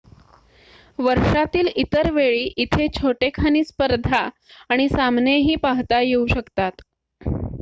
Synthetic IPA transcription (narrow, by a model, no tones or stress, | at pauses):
ʋəɾʂat̪iːlit̪əɾʋeɭiːʔit̪ʰet͡ɕʰoʈekʰaniːspəɾd̪ʱaː | ɽ̃isamneɦiːpaɦt̪ajeuɕəkt̪at̪